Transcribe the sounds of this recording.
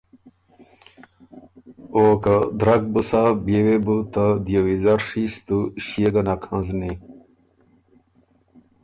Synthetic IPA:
oːkad̪ɾɐk̚busabewebut̪ad̪jewizɐɾʂist̪uɕieɡɐnakʰãzni

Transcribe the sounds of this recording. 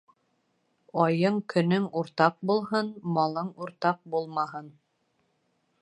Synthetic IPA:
ɑjɤɴkɵ̆nɵŋuɾt̪ɑq̚bulˠɦɤnmɑlˠɤɴuɾt̪ɑq̚bulˠmɑɦɤn

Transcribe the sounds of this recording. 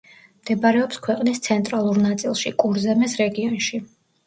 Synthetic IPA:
md̪̥ɛbaɾɛɔpskʰwɛqʼnist̪sʰɛnt̪ʼɾalˠuɾnat̪sʼilˠʃikʼuɾzɛmɛsɾɛɡiɔnʃi

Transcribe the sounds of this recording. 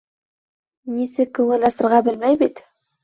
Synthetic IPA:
nʲesɪkʲʰɵŋelɑst̪əɾʁɑbɪlmæjbed̪

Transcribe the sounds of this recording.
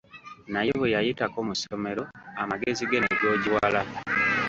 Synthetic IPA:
najeβejajitakomusome̞ɾo̞amaɡe̞ziɡeneɾo̞ːɟiwala

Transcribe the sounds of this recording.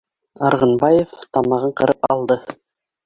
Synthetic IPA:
ɑɾʁɤ̆nbɑjeft̪ɑmɑʁɤɴqɤ̆ɾɤpɑ̰lˠd̪ɤ

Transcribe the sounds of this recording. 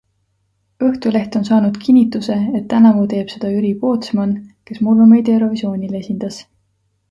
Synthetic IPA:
ɤ̞ht̪ule̞ht̪o̞nsɑːnud̪̥kʰinʲːit̪ːˑuse̞et̪ːænɑvot̪e̞ːb̥se̞d̪̥ɑyɾipo̞ːt̪smɑnke̞smulːume̞jd̪eɾo̞visio̞ːnʲile̞sind̪̥ɑs

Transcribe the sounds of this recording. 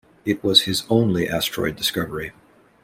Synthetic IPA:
ɨt̚wʌz̥ɨzõʊ̃nliʔæstɹ̥ɔ̰ɪdɨskʌvə˞i

